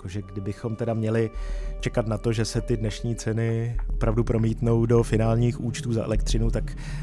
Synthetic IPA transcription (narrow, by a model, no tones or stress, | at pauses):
koʒɛɡdɪbɪxo̞mt̪ɛdamɲɛlɪt͡ʃɛkat̪nat̪o̞ʒɛsɛt̪ɪdnɛʃɲiːt͡sɛnɪopɾavdupɾo̞miːt̪no̞wdo̞fɪnaːlɲiːxʔuːt͡ʃt̪uːza̰ʔɛ̰lɛk̚t̪r̝̥ɪnut̪ak